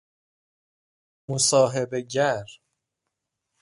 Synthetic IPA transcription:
mosɒːɦebeɟæɾ

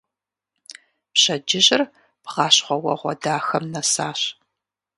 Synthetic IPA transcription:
pɕɐd͡ʒɪʑɪr | b̥ʁɑːɕχʷɔwɐ̰ʁʷɔ̰daːxɐmnɐsaːɕ

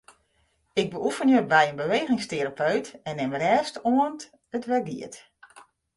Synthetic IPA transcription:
ɪɡ̚bəufənjəbɛjənbəʋeːɣɪŋsteɾapʰøɥtɛnːɪmrɛːstoənt | ətʋɛɡḭət

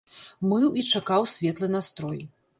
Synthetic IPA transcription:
mɨwit͡ʂakawsʲvʲɛt̪lˠɨnast̪ɾɔj

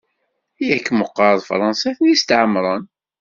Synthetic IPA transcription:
jækːməqːɾˤðˤfɾˤɑnsæθənjist̪ʕəmːɾˤɑn

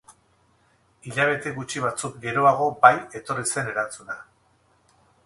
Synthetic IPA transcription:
iʎaβ̞e̞t̪e̞ɣut͡ʃiβ̞at͡suk̚ɡe̞ɾo̞aɣ̞o̞baje̞t̪o̞rise̞ne̞ɾant͡suna

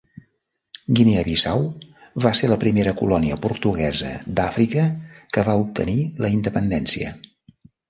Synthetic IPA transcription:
ɡineəβisawβaseləpɾimeɾəkulɔniəpuɾt̪uɣ̞ɛzə̰d̪afɾikəkəβaup̚t̪ʰə̰niləind̪əpənd̪ɛnsiə̰

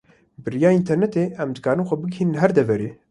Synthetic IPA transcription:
bɨrijaːint̪ʰɛɾnɛt̪eːʔɛmd̪ɨkʰaːɾɨnxʷɛbɨɡhiːnɨnlɦɛɾd̪ɛvɛɾeː

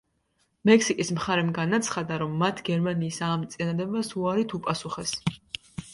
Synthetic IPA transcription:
mɛkʰsikʼismχaɾɛmɡanat̪sʰχad̪aɾɔmːat̪ʰɡɛɾmaniːsaːmt̪sʼinad̪ɛbasuaɾit̪ʰupʼasuχɛs

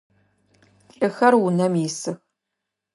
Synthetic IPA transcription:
ɬʼɨxɐrwʊnɐmjɪsɨx

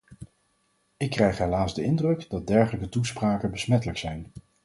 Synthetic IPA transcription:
ɪkːrɛjχɦɛlaːzdəɪndrɵkdɑd̚dɛɹχələkətuspraːkənbəsmɛtələksɛjn

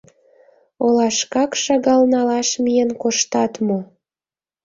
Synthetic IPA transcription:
olɑʃkɑkʃɑɣɑlnɑlɑʃmijenkoʃt̪ɑt̪mo

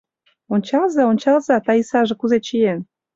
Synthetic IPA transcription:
onʲt͡ɕɑlzɑonʲt͡ɕɑlzɑt̪ɑisɑʒɤ̆kuzet͡ɕien

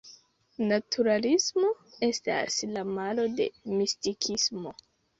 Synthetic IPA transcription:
natʰuɾalismo̞e̞sta̰slamalo̞de̞̰mistikʰismo̞

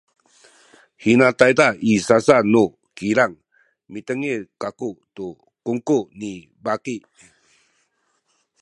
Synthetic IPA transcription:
hinatajdaisasanu | kiɾaŋ | mit̪əŋekakutu | kuŋkuni | bakiʔ

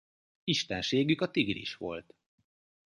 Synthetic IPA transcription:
iʃt̪ɛnʃeːɡykɒt̪iɡɾḭʃʋo̞̰lt̪

